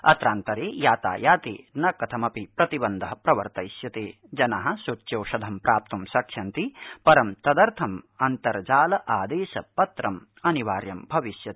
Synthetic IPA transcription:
ɐ̰t̪ɾaːnt̪ɐɾeːjaːt̪a̰ːjaːt̪ḛːnɐkɐt̪ʰɐmɐpipɾɐt̪ibɐnd̪ʱɐɦɐpɾɐʋɐ̰ɾt̪ɐjsjɐt̪eː | d͡ʒɐnaːɦɐ̆sut͡ʃːjoːʃɐd̪ʱɐmpɾʔaːp̚t̪umsɐkʂɐnt̪ipɐɾɐmt̪ɐd̪ɐɾt̪ʰɐmɐnt̪ɐɾd͡ʒaːlɐʔaːd̪eːʃɐ̰pɐt̪ɾɐm | ɐniʋaːɾjɐmbʱɐʋiʃjɐt̪

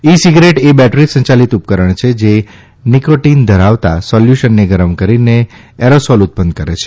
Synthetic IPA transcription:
isiɡɾeʈebɛʈɾisə̃ɲt͡ʃalit̪up̚kəɾəɳt͡ʃʰed͡ʒe | nikoʈind̪ʱəɾaʋt̪a̰sɔljuʃənːeɡəɾəmkəɾine | eɾosɔlut̪̚pənd̪̚kəɾet͡ʃʰe̥

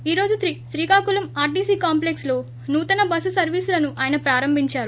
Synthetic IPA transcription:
iːɾo̞ːd͡ʒut̪ɾiʃɾiːkaːkulɐmaːɾɖiːsiːkaːmplekslo̞ː | nuːt̪ɐnɐbɐsusɐɾʋiːsulɐnuʔaːjɐnɐpɾaːɾɐmbʱiɲt͡ʃaːɾu

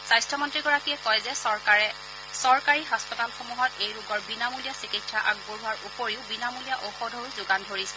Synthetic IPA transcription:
sajstʰɔmɔntɹiɡɔɹakijɛkɔjzɛɛ | sɔɹkaɹiɦaspɔtalxomuɦɔtejɹuɡɔɹbinamulijasikitsaʔa̰ɡ̚boɹuaɹupoɹiʊbinamulijaʔoxɔdʱoɹuzʊɡandʱoɹisɛ

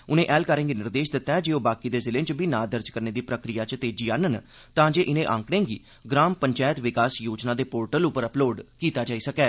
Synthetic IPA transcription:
ʊnẽːʔɛːlkəɾə̃ːŋɡiːnɪɾd̪eːʃd̪ɪt̪ːɛ̃ːd͡ʒeːoːbaːkiːd̪eːzɪlẽːt͡ʃbʱiːnaːd̪əɾd͡ʒkəɾneːd̪iːpɾəkɾijaːt͡ʃt̪eːd͡ʒiːaːnən | t̪ãːd͡ʒeːʔɪnẽːʔã̰ːŋkɽẽːɡiː | ɡɾaːmpəɲt͡ʃaːjət̪ʋɪkaːsjoːd͡ʒnãːd̪eːpoːɾʈəlʊpəɾəploːɖkiːt̪aːd͡ʒaːiːsəkɛː

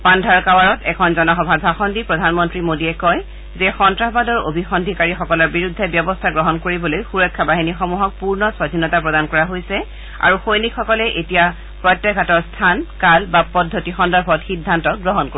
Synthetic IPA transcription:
pandʱaɹkawaɹɔtɛkʰɔnzɔnɔxɔbʱadbʱaxɔndipɹɔdʱanmɔntɹimodiɛkɔj | zɛxɔntɹabadɔɹo̰bʱixɔndʱikaɹixɔkɔlɔɹbiɹudʱːɛbjɔbɔstʰaɡɹɔɦɔnkoɹibɔlojxuɹɔkʰːabaɦinixɔmuɦɔk̚puɹnɔswadʱinɔtapɹɔdankɔɹaɦojsɛ | a̰ɹuxojnikʰːɔkɔlɛʔetija | pɹɔjtːɛɡʱatɔɹstʰankalbapɔdʱːotixɔndɔɹbʱɔtxidʱːantɔɡɹɔɦɔnko

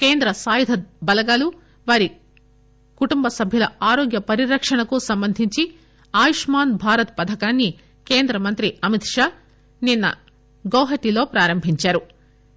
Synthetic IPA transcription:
keːnd̪ɾɐsaːjid̪ʱɐbɐlɐɡaːlu | ʋaːɾi | kuʈumbɐsɐbʱjɐlɐaːɾoːɡjɐpɐɾiɾɐkʂɐɳɐkusɐmbɐnd̪ʱiɲt͡ʃi | aːjiʂmaːnbʱaːɾɐt̪̚pɐd̪ʱɐkaːnːi | ke̞ːnd̪ɾɐmɐnt̪ɾiɐmit̪ʂaː | ninːɐ̰ | ɡɐwɦɐʈilo̞ːpɾaːɾɐmbʱiɲt͡ʃaːɾu

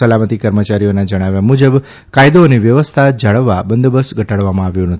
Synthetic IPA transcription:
əlamət̪ikəɾmət͡ʃaɾijonad͡ʒəɽ̃aʋjamud͡ʒəb | kajd̪oəniʋjəʋəst̪ʰad͡ʒaɭəʋːabənd̪bəsɡʱəʈaɭʋamãaʋjũnət̪ʰi

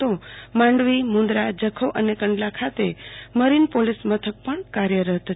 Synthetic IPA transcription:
t̪omãɳɖʋimũnd̪ɾad͡ʒəkʰəʋʔənekəɳɖlakʰat̪eməɾinpolismət̪ʰək̚pəɳkaɾjəɾəɦt̪ə

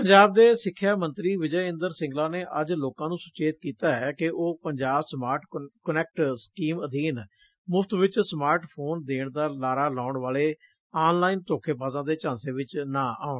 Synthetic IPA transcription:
pəɲd͡ʒaːb̚d̪eːsɪkʰːjaːmə̃nt̪ɾiːʋɪd͡ʒəjɪ̃nd̪əɾsɪ̃ŋɡlaːneːʔəd͡ʒloːkãːnũːsʊt͡ʃeːt̪kiːt̪aːɦɛːkɪʔoːpəɲd͡ʒaːbsmaːɾʈkənɛːk̚ʈskiːməd̪ʱiːn | mʊfʰt̪ʋɪt͡ʃsmaːɾʈpʰoːnd̪eːɳd̪aːlaːɾaːlaːʊɳʋaːleː | aːnlaːint̪oːkʰeːpaːzãːd̪eːt͡ʃãːnseːʋɪt͡ʃnãːʔa̰ːʊɳ

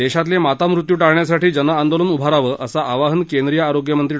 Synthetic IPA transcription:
d̪eɕat̪̬lemat̪amɾut̪juːʈaɭɳjas̬aʈiːd͡ʑənəand̪olənubʱaɾaʋəːʔəsaʔaʋaɦənkend̪ɾijəːɾoɡjəmənt̪ɾi

